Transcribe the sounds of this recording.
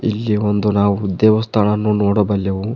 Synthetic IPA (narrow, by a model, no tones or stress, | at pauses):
ilːiond̪unaːʋud̪ɛːʋɐst̪ʰɐnɐnːunoːɽobɐljɐʋu